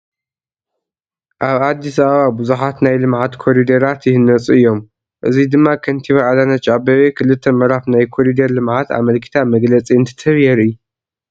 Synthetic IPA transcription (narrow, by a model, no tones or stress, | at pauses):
ʔaβad̪ːisɐβɐβabuzuħat̪najlɨmʕat̪kʰo̞ɾid̪ɐɾat̪jɪhɨnːɐt͡sʼɨɨjːo̞m | ʔɨzid̪ɨmːakʰɐnt̪ʰiβaʕalanɐt͡ʃʼabɐβekʰɨlɨt̪ʰːɐmɐɾafnajkʰo̞ɾid̪ɐɾlɨmʕat̪a̰mɐlkʰɨ̥t̪ʰamɐɡlɐt͡sʼiɨnt̪ʰɨ̥t̪ʰɐβjɛɾɨjːu